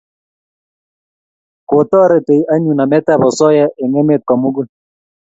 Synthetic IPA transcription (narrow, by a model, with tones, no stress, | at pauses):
ko˨tɔ˦ɾɛ˦˨te˨jʔa˦ɲu˨na˨mɛ˦ta˦˨bɔ˨sɔ˦jɛ˦ʔɛ˨ŋɛ˦me˦˨t̪̚kɔ˨mu˦ku˦